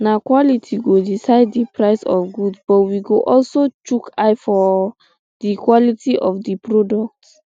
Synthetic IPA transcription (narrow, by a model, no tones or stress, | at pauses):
nakwɔlitʰiɡodisaɪddipʰɹaɪsɔ̰fɡudbɔtwiɡoʔɔlsot͡ʃukʰaɪfɔ | dikwɔlitʰiʔɔfdipɹɔdɔk̚t